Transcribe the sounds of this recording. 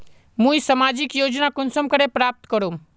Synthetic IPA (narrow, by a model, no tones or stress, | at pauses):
mũisɐmaːd͡ʒikjoːd͡ʒnakʊnsəmkəɾepɾaːp̚t̪kəɾũm